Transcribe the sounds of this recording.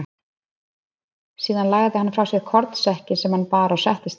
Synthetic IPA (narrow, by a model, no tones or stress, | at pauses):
siːðanlaːɣaðɪhanːfɾawsjɛɣkʰɔɾt̪sɛhcɪsɛmhanpaːɾaɔwsɛht̪ɪst̪